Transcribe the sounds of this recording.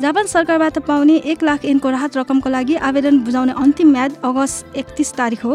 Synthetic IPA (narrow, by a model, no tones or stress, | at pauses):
d͡zapʌnsʌrkarbat̪ʌpawneʔeklakʰinkoraɦʌt̪rʌkʌmkolaɡiʔabed̪ʌnbud͡zawneʔʌnt̪imːjad̪ʌɡʌst̪ekt̪ist̪aɾikʰɦo